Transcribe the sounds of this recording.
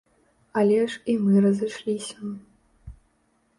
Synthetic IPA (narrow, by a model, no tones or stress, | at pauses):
ɐlʲɛʂimɨrɐzɨʂlʲisʲɐ